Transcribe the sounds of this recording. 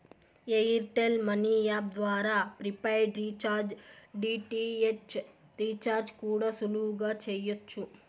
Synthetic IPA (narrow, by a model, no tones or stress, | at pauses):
eiɾʈelmɐniːjaːb̚d̪ʋaːɾaːpɾipɐjɖɾiːt͡ʃaːɾd͡ʒɖiːʈiet͡ʃ | ɾiːt͡ʃaːɾd͡ʒkuːɽaːsuluʋuɡaːt͡ʃɛːjɐt͡ʃːu